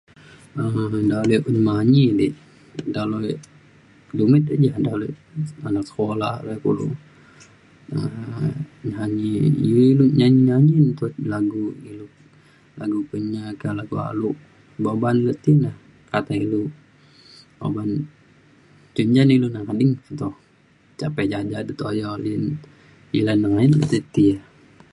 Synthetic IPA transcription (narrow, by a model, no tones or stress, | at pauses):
əmdalɛʔunmaɲiliʔ | daloj | dumit̪aʔd͡ʒahdalɔanak̚sə̥kolahlɔjkṵlṵ | ə | ɲaɲiḭiluʔɲaɲiɲaɲint̪ulaɡuilu | laɡukəɲakalaɡua̰luʔ | babanlət̪inah | kat̪ailu | bo̰ban | t͡ʃuɲd͡ʒanilunaŋkadɪŋt̪ɔ | t͡ʃapɛd͡ʒad͡ʒadit̪ojɔlin | ilanːəŋainlə̰t̪it̪ia